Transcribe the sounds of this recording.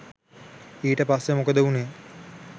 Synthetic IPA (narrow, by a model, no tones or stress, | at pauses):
iːʈəpasːemokəd̪əune